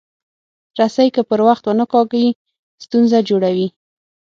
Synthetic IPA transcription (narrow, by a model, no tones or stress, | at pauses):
ɾasajkəpəɾwaxt̪wənəkɑɡaji | st̪unzad͡ʒoɽawi